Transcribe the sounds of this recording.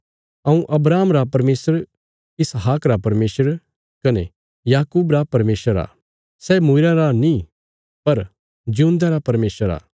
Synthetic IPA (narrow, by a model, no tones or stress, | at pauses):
ɐũʔɐbɾaːmɾapɐɾmeːsəɾ | ɪsɦaːkɾapɐɾmeːsəɾ | kɐne | jaːkuːbɾapɐɾmeːsəɾa̰ː | sɛmʊɪɾãɾanĩ | pɐɾ | d͡ʒiũnd̪ãɾapɐɾmeːsəɾa̰ː